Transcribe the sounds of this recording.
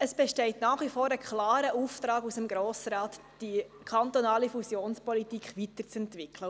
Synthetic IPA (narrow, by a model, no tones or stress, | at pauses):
əsb̥ɛʃtɛɪtnɑːχʋifoːɾəkχlɑːɾəʔuft̪ɾɑːɡusəmɡɾoːsɾɑːt | d̥ikʰɑnt̪onɑːlifusjoːnspɔlitikχʋitəɾt͡sɛntʋɪkʰlə